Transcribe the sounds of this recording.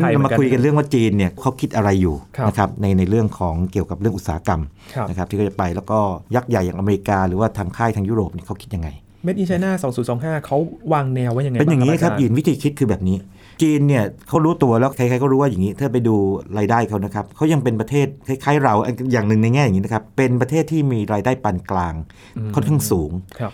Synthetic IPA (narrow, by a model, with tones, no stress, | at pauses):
a˨˧˩ma˧u˧jka˧nɾɯ˥˩əŋwaː˥˩t͡ɕiː˧nːi˥˩ɐkʰːa˦˥wkʰi˦˥t̪̚ʔa˧ɾa˧jːuː˨˩˧na˦˥kʰa˦˥p̚na˧jna˧jɾɯ˥˩əŋkʰɔː˩˦ŋki˨˩əwka˨˩p̚ɾɯ˥˩ŋʔu˨˩t̪̚saː˩˦ka˧m˦nna˦˥kʰa˦˥p̪̚ʰiː˥˩ɔ˥˩t͡ɕa˨˩pa˧jlɛ˦˥wkɔː˥˩ja˦˥k̚ja˨˩jaː˨˩ŋʔa˧meː˧i˧˥kaː˧ɾɯː˩˦waː˥˩t̪ʰaː˧ŋkʰaː˥˩j̪t̪ʰa˧ŋjuː˥˩ɾoː˨˩p̚ni˥˩əkʰa˦˥wkʰi˦˥ja˧ŋa˧j | me˦˥t̪̚ʔi˧t͡ɕʰa˧jnaː˥˩sɔː˨˦ŋsuː˩˦nsɔː˩˦ŋɦaː˥˩kʰa˦˥wwaː˧ŋnɛː˧wa˦˥ja˨ŋpe˧nja˨˩ŋi˦˥˧kʰa˦˥jiː˨˩nwi˦˥t̪ʰiː˧kʰi˦˥t̪̚kʰɯː˧bɛː˨˩p̚niː˦˥ | t͡ɕiː˧nːi˥˩ɐkʰa˦˥wɾuː˦˥t̪u˧ɐlɛː˦˥a˧˩jʰkaː˦˥jkʰɔ˥˩ɾuː˦˥waː˥˩ja˨˩ŋiː˦˥t̪ʰɯ˥˩p̬a˧jduː˧ɾaː˧jdaː˥˩jkʰa˦˥wna˦˥kʰa˦˥p̚kʰa˦˥wja˧ŋpe˧npɾa˧t̪ʰeː˥˩t̪̚kʰa˧˩jkʰaː˦˥jɾa˧wʔa˧jaː˨˩ŋnɯ˨˩ŋna˧jŋɛː˥˩ja˨˩ŋiː˦˥na˦˥kʰa˦˥pːe˧npɾa˧t̪ʰeː˥˩t̪ʰːiː˥˩miː˧ɾaː˧jdaː˥˩jpa˧nklaː˧ŋ | kʰɔ˥˩nkʰaː˥˩ŋsuː˩˦ŋkʰ